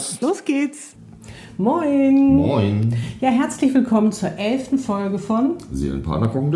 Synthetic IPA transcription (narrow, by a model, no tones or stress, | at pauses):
loːsɡ̥eːts | mɔɪnmɔɪnjaːɦɛɐt͡slɪçv̥ɪlkʰɔmənt͡suːɐʔɛlftn̩fɔlɡəfɔnzḛːə̰npʰa̰ːnɐkʰɔkŋ̩d